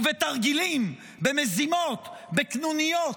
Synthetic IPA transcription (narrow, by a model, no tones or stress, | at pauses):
vet̪aʁɡilim | bemezimo̞t̪beknunijo